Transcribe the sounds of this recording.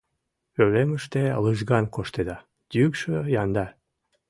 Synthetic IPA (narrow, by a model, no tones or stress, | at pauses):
ølemɯʃt̪elɯʒɡɑnkʰoʃt̪ed̪ɑ | d̪̥ʲykʃøjɑnd̪ɑ